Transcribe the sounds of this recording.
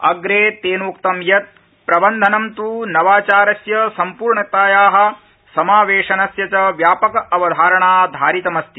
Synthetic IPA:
ɐɡɾeːt̪eːnukt̪ɐmjɐt̪̚ | pɾɐbɐnd̪ʱɐnɐmt̪uːnɐʋaːt͡ʃaːɾɐsjɐsɐmpuːɾɳɐt̪aːjaːɦɐ̆ | sɐmaːʋeːʂɐnɐsjɐt͡ʃɐʋjaːpɐkɐɐʋɐd̪ʱaːɾɐɳaːd̪ʱaːɾit̪ɐmɐst̪i

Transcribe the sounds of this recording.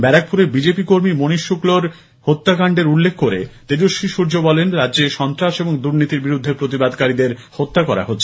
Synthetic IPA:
bɛɾak̚pʰuɾebid͡ʑepikoɾmimoniʃːukloɾ | hot̪ːakaɳɖeɾulːekʰːkoɾḛt̪eɾoʃiʃuɾd͡ʑobɔlenɾadːd͡ʑeʃɔnt̪ɾaʃeboŋd̪uɾnit̪iɾbiɾud̪ʱːepɾot̪ibad̪kaɾid̪eɾhot̪ːakɔɾa̰ɦotːɕʰe

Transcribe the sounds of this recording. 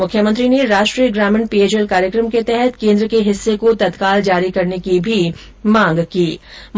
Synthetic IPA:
mʊkʰːjəmə̃nt̪ɾineɾaːʃʈɾiːəɡɾaːmɪnpiːeːt͡ʃɛlkaːɾjəkɾəmket̪ɛɦɛt̪kẽːnd̪ɾəkeɦɪsːekot̪ɐt̪kaːld͡ʒaːɾikɐɾnekibʱi | mãːŋɡkiːm

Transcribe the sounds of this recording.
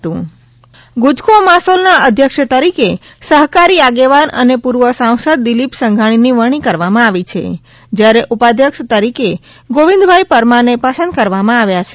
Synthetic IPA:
t̪ũ | ɡud͡ʒkʰomasolnaəd̪ʱjəkʃət̪əɾike | səɦkaɾiaɡeʋanə̰nepuɾʋəsãw̃səd̪̚ːilipsəŋɡʱaɽ̃iniʋəɽ̃ikəɾʋamãaʋit͡ʃʰḛ | d͡ʒjaɾeʔupad̪ʱjəkʃt̪əɾike | ɡoʋĩnd̪bʱajpəɾmanepasə̃nd̪̚kəɾʋamãaʋjat͡ʃʰe

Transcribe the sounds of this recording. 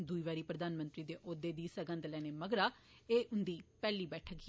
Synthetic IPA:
d̪uiːʋaːɾiːpɾəd̪aːnmə̃nt̪ɾiːd̪eːʔoːd̪eːd̪iːsəɡə̃nd̪lɛːneːməɡɾaː | eːʔʊnd̪iːpɛːliːbɛːʈʰək

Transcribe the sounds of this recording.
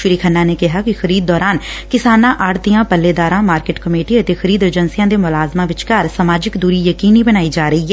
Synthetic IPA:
ʃʊɾiːkʰənːaːneːkɪɦaːkɪxʰəɾiːd̪̚ːɔːɾaːnkɪsaːnãːʔaːɽt̪ijãːpəlːeːd̪aːɾãːmaːɾkeːʈkəmeːʈiət̪eːxʰəɾiːd̪əɾd͡ʒənsijãːd̪eːmʊlaːzmãːʋɪt͡ʃkaɾsəmaːd͡ʒɪkd̪uːɾiːjəkiːniːbənaːid͡ʒaːɾəiɦɛː

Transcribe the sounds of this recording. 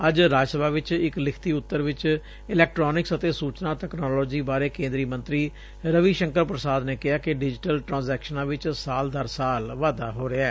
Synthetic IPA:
əd͡ʒɾaːd͡ʒsəbʱaːʋɪt͡ʃɪklɪkʰt̪iːʊt̪ːəɾʋɪt͡ʃ | ɪlɛːk̚ʈɾoːnɪksət̪eːsuːt͡ʃnaːʈ̪ɛːknɔːlɔːd͡ʒiːbaːɾeːkẽːnd̪ɾiːmə̃nt̪ɾiː | ɾəʋiːʃəŋkəɾpɾəsaːd̪neːkɪaːkɪɖɪd͡ʒɪʈəlʈɾãːnzɛːkʃənãːʋɪt͡ʃsaːld̪aːɾsaːlʋaːd̪aːɦoːɾɪaɛː

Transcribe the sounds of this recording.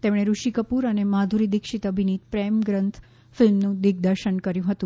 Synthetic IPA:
t̪emɽ̃eɾuʃikəpuɾənemad̪ʱuɾid̪ikʃit̪əbʱiniːt̪pɾemɡɾənt̪ʰ | fɪlmnũd̪iɡ̚d̪əɾʃəɳkəɾjũɦət̪ũ

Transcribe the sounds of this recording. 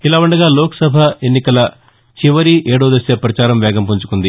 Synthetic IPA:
ilaːʋuɳɖɐɡaːloːkɐ̥sɐbʱɐenːikɐlɐ | t͡ʃiʋɐɾiʔeːɽoːd̪ɐseːpɾɐt͡ʃaːɾɐmʋɛːɡɐmpuɲt͡ʃu̥kund̪i

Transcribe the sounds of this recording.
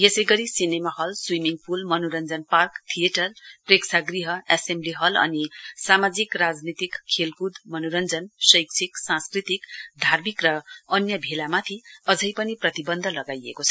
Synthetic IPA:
jesʌjɡʌɾisinemahʌlswimiŋpulmʌnoɾʌnd͡zʌnparkt̪ʰijeʈʌrpreksʰaɡriɦʌesembliɦʌlʌ̰nisamad͡zikrad͡znit̪ikʰːelkud̪mʌnoɾʌnd͡zʌnsʌjkt͡sʰiksãnskrit̪ikd̪ʱarmikrʌʌnjʌbʱelamat̪ʰiʌd͡zʱʌjpʌniprʌt̪ibʌnd̪ʱʌlʌɡajḛkot͡sʰʌ

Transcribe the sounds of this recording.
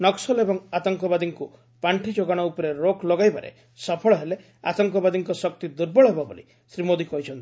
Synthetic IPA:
nɔksɔlebɔŋat̪ɔŋkɔbad̪iŋku | paɳʈʰid͡ʒoɡaɽ̃ɔupɔɾeɾokʰlɔɡajbaɾḛ | sɔpʰɔɭɔɦele | a̰t̪ɔŋkɔbad̪iŋkɔsɔk̚t̪id̪uɾbɔɭɔɦebɔbo̰lḭ | sɾimod̪ikɔɦjt͡ʃʰɔnt̪i̥

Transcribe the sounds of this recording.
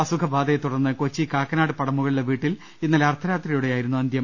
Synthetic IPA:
ɐsukʰɐbaːd̪ɐet̪uɽɐrnːɨkot͡ɕːiːkaːkːɐnaːɽɨpɐɽɐmːuɣɐɭiɽeʋiːʈːil | inːɐlɐrt̪ʰɐɾaːt̪rijuɽe̞jaːjiɾunːuɐnd̪jɐm

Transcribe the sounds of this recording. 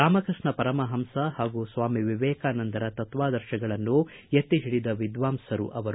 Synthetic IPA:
aːmɐkɾɨʂɳɐpɐɾɐmɐɦɐmsɐhaːɡusʋaːmiʋiʋɛːkaːnɐnd̪ɐɾɐt̪ɐt̪ʋaːd̪ɐɾʃɐɡɐɭɐnːujet̪ːiɦiɭid̪ɐʋid̪ʋaːmsɐɾṵʔɐʋɐɾ

